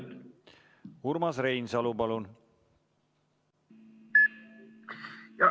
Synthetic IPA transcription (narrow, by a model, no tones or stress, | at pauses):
uɾmɑsɾejnsɑlupɑlun | jɑ